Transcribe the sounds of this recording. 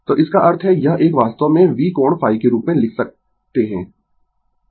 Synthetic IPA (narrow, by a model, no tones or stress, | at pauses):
t̪oːʔɪskaʔɐɾt̪ʰɦɛjɐɦʔeːkʋaːst̪əʋmẽʋiːkoːɳ̃fʰaːikeɾuːpmẽlɪkʰsɐk̚ | t̪eɦɛ̃ː